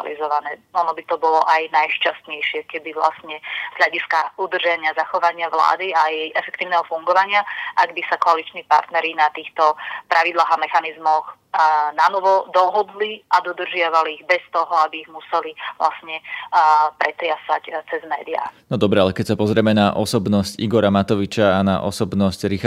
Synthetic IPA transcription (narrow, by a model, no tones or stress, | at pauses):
a̰lḭzɔʋanɛːɔnɔbit̪ɔbɔlɔʔajnajʃcast̪ɲɛjʃɪɛkɛbiʋla̰stɲɛz̥ɦʎaɟiskaud̪r̩ʒaɲɪazaxɔʋaɲɪaʋla̰ːd̪iajɛjʔɛfɛkt̪iːʊnɛɦɔfuŋɡɔʋaɲɪaʔaɡbisakɔalit͡ʃniːpa̰ɾt̪nɛɾinat̪iːxt̪ɔpɾʔaʋid̪laːɣamɛxanizmɔx | nanɔʋɔd̪ɔɦɔd̪liʔad̪ɔd̪r̩ʒɪaʋaliːɣbɛst̪ɔɦɔabiːɣmusɛliʋla̰sɲɛ | pɾɛt̪ɾɪasa̰ct͡sɛzmɛ̰ːd̪ia̰nɔd̪ɔbɾɛalɛkɛcsapɔzɾɪɛmɛnaʔɔsɔbnɔsciɡɔɾamat̪ɔʋit͡ʃaːna̰ʔɔsɔbnɔscɾix